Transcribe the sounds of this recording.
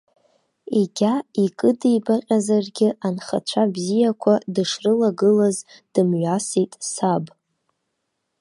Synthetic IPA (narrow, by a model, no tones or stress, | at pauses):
iɡʲaikʼɨdijbaqʲʼazarɡʲɪʔanχa̰t͡ʃʷʰabzijakʷʰadɨʂrɨlaɡɨlazd̥ɨmɥasitʼsab